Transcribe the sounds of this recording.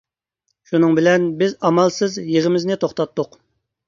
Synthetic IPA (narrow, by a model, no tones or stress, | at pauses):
ʃunɨŋbɪlɛnbɪzɑmɑlˠsɨzjeʁəmɪznɪt̪ʰoχt̪ɑt̪ːʊq